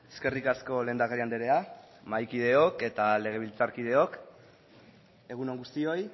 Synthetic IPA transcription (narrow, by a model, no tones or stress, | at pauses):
eske̞rikasko̞le̞ːnd̪akariand̪eɾe̞a | majkið̞e̞o̞ke̞t̪ale̞ɣ̞e̞β̞ilt͡saɾkið̞e̞o̞k | e̞ɣ̞unoŋɡust̪io̞j